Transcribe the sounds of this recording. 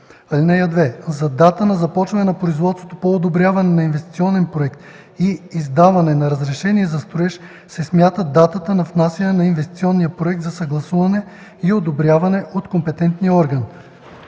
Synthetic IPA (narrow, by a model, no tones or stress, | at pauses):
ɐlinɛjɐd̪vɛzɐd̪at̪ənɐzɐpɔt͡ʃvɐnɛnɐpɾoizvɔt̪svot̪opoːd̪obɾʲjavɐnɛnɐinvɛst̪it̪siɔnɛnpɾoɛkt̪ | iizd̪avɐnɛnɐɾɐzɾɛʃɛniɛzɐst̪oɛʃ | sɛsmʲjat̪əd̪at̪ət̪ənɐfnasɐnɛnɐinvɛst̪i̥t̪siɔnːijəpɾoɛk̚t̪zɐsɐɡlˠɐsuvɐnɛ | iod̪obɾʲjavɐnɛʔot̪kompɛt̪ɛnt̪nijəɔɾɡɐn